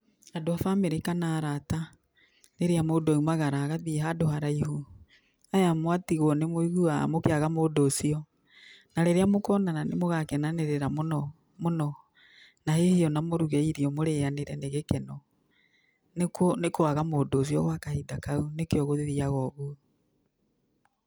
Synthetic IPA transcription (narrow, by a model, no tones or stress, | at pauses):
adoafameɾekanaːɾata | ɾeɾeamodɔumaɣaɾaːɣaðiɦadohaɾaiɦu | ajamwatiɣɔnemoiɣua̰mokeaɣamodosiɔ | naɾeɾeamokɔnananemoɣakɛnaneɾeɾamonɔ | monɔ | nahehiɔnamoɾuɣɛiɾiɔmoɾeaneɾɛneɣekɛnɔ | nekɔnekoaɣamodos̬iɔɣwakahidakaunekeɔɣoðiðiaɣɔɣu